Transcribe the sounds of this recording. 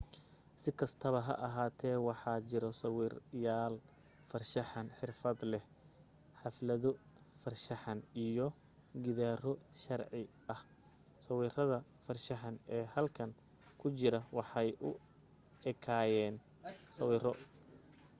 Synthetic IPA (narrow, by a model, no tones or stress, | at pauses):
sɪkʰɐst̪ʰɐβɐɦɐ̰ʔɐɦaːt̪ʰɛːwɑħɑːt͡ʃɪɾɔsɑwiːrjaːl | fɐrʃɐħɑnħɪrfɐd̪lɛh | ħɑflɐðɔ | fɐrʃɐħɑnijɔ | ɡɪðaːrɔʃɐrʕɪ | ɐh | sɐwiːrɐðɐ | fɐrʃɐħɑnɛːhɐlkʰɐŋ | kʰʊt͡ʃɪɾɐwɑħɑjʔʊ | ɛkʰaːjɛːn | sɐwiːrɔ